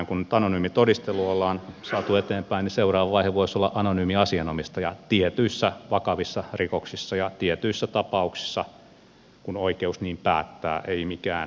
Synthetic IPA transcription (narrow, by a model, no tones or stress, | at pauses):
ŋkunnyt̪ɑnonyːmit̪odist̪elːuolːɑːnsɑːt̪uet̪eːmpæiniseurɑːʋɑʋɑiheʋoisolːɑʔɑnonyːmiɑsiɑnomist̪ɑjɑt̪iet̪yisːæʋɑkɑʋisːɑrikoksisːɑjɑt̪iet̪yisːæt̪ɑpɑuksi̥sːɑ | kunoikeusniːmpæ̰ːt̪ːæ̰ːʔeimikæːn